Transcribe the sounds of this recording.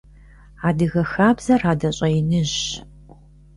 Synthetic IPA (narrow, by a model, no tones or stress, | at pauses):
aːdɨɣɐxaːbz̥ɐraːdɐɕʼɐjnɨʑ